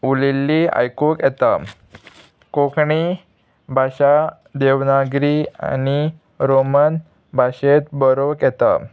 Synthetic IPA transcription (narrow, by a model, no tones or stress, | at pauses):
ulilːia̰jkokɛt̪a | kokɳi | bʱaɕa | d̪eʋnaɡɾia̰ni | ɾomən | bʱaɕet̪bəɾokjɛt̪a̰